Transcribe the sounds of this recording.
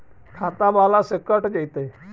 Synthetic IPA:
kʰat̪ãbalasəkəʈd͡ʒəjt̪e

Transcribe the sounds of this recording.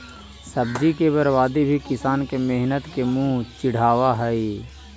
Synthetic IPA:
səbd͡ʒikebəɾʋaːd̪ibʱikɪsaːnkemeɦnət̪kemũːt͡ʃɪɽ̤aːwaɦɛi

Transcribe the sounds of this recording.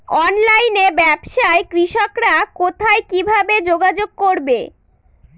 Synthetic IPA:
ɔnlajnebɛbʃaekɾiʃokɾakot̪ʰaekibʱabed͡ʑoɡad͡ʑoɡ̚koɾbe

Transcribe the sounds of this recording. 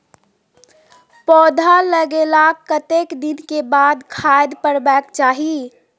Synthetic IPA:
pɔːd̪ʱaləɡeːlakːət̪eːkd̪ɪnkebaːd̪kʰaːjd̪pəɽbɛːkt͡ʃaːɦi

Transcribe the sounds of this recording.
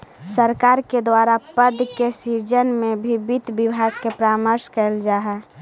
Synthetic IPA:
səɾkaːɾked̪waɾapəd̪kesid͡ʒənmẽbʱibit̪bibʱaɡ̚kepɾaːməɾskɛld͡ʒaːɦɛ

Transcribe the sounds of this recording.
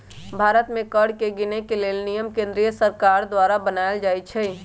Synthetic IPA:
bʱaːɾət̪mẽkəɾɖkeɡinekeleːlnijəmkẽnd̪ɾijəsəɾkaɾd̪waɾabənaeld͡ʒaːjt͡ʃʰɛ

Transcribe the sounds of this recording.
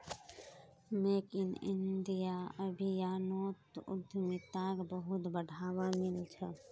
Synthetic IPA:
leːkɪnɪ̰nd̪ijaəbʱijaːnoːt̪ʊ̰d̪ʱmɪt̪aːɡbəɦʊt̪bəɖʱaːʋamɪlt͡ʃʰɛ

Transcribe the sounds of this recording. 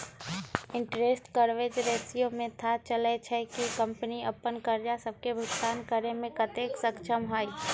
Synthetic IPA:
ɪ̃ɳʈɾeːsʈkəɾʋed͡ʒɾeːsijõmẽt̪ʰat͡ʃəlet͡ʃʰɛkikɐ̃mpəniɐpːənkəɾd͡ʒasəb̚kebʱʊɡt̪aːnkəɾemẽkɐt̪eːksəkt͡ʃʰəmɦaːi

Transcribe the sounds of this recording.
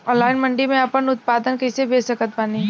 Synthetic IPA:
ɔ̃ːnlaːɪnmɐ̃ɳɖimẽɐpənʊt̪̚paːd̪ənkɐɪsebeːsəkət̪̚baːni

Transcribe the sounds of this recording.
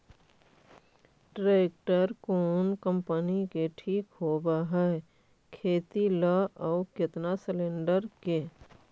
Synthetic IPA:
ʈɾeːk̚ʈəɾkoːnkə̃mpənikeʈʰiːkɦoːbaɦɛ | kʰeːt̪iləɔːkɪt̪nasɪlẽːɳɖəɾke

